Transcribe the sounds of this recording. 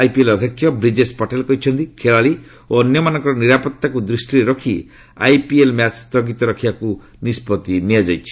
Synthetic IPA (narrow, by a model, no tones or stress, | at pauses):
ajpielɔd̪ʱjɔkʰːjɔbɾid͡ʒespɔʈelkɔɦit͡ʃʰɔnt̪ikʰeɭaɭi | oɔnjɔmanɔ̃ŋkɔɾɔniɾapɔt̪ːakud̪ɾisʈiɾeɾɔkʰi | a̰jpielmjat͡ʃst̪ɔɡit̪ɔɾɔkʰibaku | nispɔt̪iniad͡ʒajt͡ʃʰi̥